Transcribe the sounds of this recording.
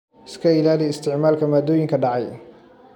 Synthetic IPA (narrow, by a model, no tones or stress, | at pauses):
ɪskʰɐɪlaːlɪɪst̪ʰɪʕmaːlkʰɐmaːd̪ɔːjɪŋkʰɐɖɑʕɑj